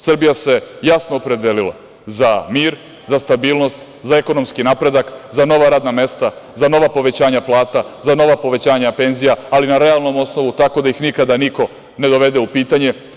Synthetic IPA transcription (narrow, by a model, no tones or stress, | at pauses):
sr̩bijase̞jasnoːpɾe̞d̪elilˠa̰ | zamiːɾ | zast̪abiːlˠno̞st̪ | zae̞ko̞no̞mskinapɾe̞d̪akzano̞ʋaɾaːd̪name̞st̪azano̞ʋapo̞ʋe̞t͡ɕaːɲaplˠaːt̪azano̞ʋapo̞ʋe̞t͡ɕaːɲape̞nzijaːlinaɾe̞alˠno̞mo̞sno̞ʋut̪ako̞d̪aixnikad̪aniko̞ | ne̞d̪o̞ʋe̞d̪e̞upiːt̪aɲe̞